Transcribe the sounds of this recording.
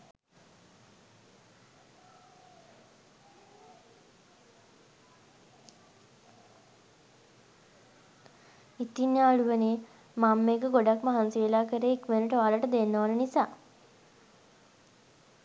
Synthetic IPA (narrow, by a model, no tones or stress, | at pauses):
it̪ːinːaːɭuʋəne | mamːekəɡoɖakmaɦanseːlaːkəɾeikmenəʈəʋaːləʈəd̪enːoʋanənisaː